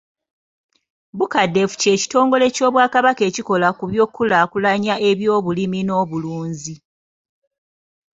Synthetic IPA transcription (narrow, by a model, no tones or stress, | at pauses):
bukadːe̞fu̥ce̞ːci̥to̞ːŋɡo̞le̞co̞ːβwaːkaβake̞ːciko̞lakuβjo̞ːkːulaːkulaɲaʔe̞βjo̞ːβulimino̞ːβuluːɲzi